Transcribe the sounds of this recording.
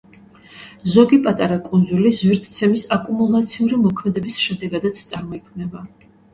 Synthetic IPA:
zɔɡipʼat̪ʼaɾakʼund̪zulizwiɾt̪ʰt̪sʰɛmisakʼumulˠat̪sʰiuɾimɔkʰmɛd̪ɛbisʃɛd̪ɛɡad̪at̪sʰt̪sʼaɾmɔikʰmnɛba

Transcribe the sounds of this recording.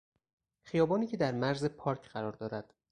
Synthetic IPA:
χijɒːbɒːniːcʰed̪æɾmæɾze̞pʰɒːɾcʰɢ̥æɾɒːɾd̪ɒːɾæd̪̥

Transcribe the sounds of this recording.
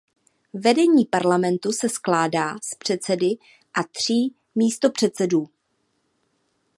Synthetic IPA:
vɛdɛɲiːpaɾlamɛnt̪usɛsklaːdaːspr̝̥ɛt̪t͡sɛdɪ | ʔat̪r̝̥iː | miːst̪o̞pr̝̥ɛt̪t͡sɛduː

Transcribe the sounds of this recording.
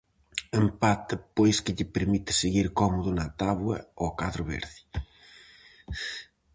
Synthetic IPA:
empat̪ɪpojskɪʎɪpeɾmit̪ɪ̥seɣiɾkɔmʊðʊnɐt̪aβwɐ̰okaðɾʊβḛɾðɪ

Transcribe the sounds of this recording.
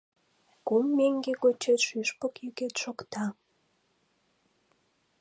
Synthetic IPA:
kumːeŋɡekot͡ɕet̪ʃyʃpokjyket̪ʃokt̪ɑ

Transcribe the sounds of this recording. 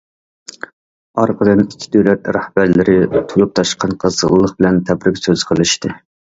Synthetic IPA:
ɑɾqəd̪ɨnikʲʰːi̥d̪øwlɛt̪ɾɑhb̥æɾlɪɾɪt̪ʰulˠup̚t̪ʰɑʃqɑnqʰəzəʁlˠlːˠəχ̚bɪlɛnt̪ʰɛbɾɪkʲsøz̥qʰəlˠɨʃt̪ɨ

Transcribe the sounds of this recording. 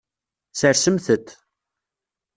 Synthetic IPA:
səɾsəmθət̪

